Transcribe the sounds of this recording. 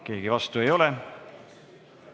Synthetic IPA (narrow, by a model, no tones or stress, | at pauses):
ke̞ːɡivɑst̪ue̞jo̞lɛ